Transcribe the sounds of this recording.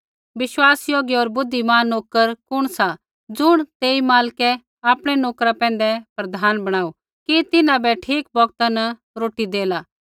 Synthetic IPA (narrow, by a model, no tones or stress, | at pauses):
ʋɪʃwaːsjoːɡiɔːɾbʊd̪ʱːimaːnoːkəɾkʊɽ̃sa | d͡zʊɽ̃t̪eːimaːlkɛ | aːpɽ̃ɛnoːkɾapɛ̃ːn̆d̪ɛpɾɐd̪ʱaːnbɐɽ̃aːu | kit̪ɪnãbɛʈʰiːk̚bɔɡt̪anɐ | ɾoːʈid̪eːlaː